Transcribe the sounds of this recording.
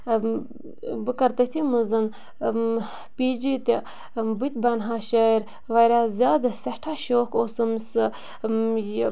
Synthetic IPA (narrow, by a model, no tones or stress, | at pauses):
bɨkɐɾt̪ɐt̪ʰimɨzɨn | piːd͡ʒit̪e | but̪̚ʲbɐnɦaːʃɐɾ | ʋɐjɾazʲaːd̪sɐhʈʰaːʃoːkoːsɨmsɨ